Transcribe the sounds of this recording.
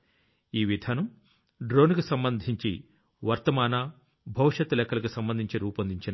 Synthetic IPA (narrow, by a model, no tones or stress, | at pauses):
iːʋid̪ʱaːnɐm | ɖɾo̞ːnkusɐmbɐnd̪ʱiɲt͡ʃḭ | ʋɐɾt̪ɐmaːna | bʱɐwʂɐt̪ːlɛkːɐlɐkusɐmbɐnd̪ʱiɲt͡ʃiɾuːpɐnd̪ʱiɲt͡ʃinɐ